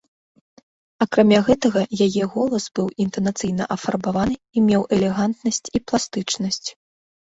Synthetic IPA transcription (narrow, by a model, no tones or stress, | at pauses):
ɐkɾamʲaɣɛt̪ɐɣɐjajɛɣɔlˠɐsbɨwint̪ɐnat̪sɨjnɐ̰ʔɐfarbavanɨimʲɛwʔɛlʲɛɣant̪nɐsʲt͡sʲiplˠast̪ɨt͡ʂnɐsʲt͡sʲ